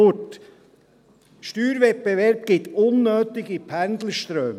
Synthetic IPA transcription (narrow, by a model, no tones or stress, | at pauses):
t | ʃtyːɾvɛt̚beʋɛɾb̥̚ɡ̥ɪt̪ʊnːøːt̪ɪɡipʰænd̪ləʃt̪ɾøːm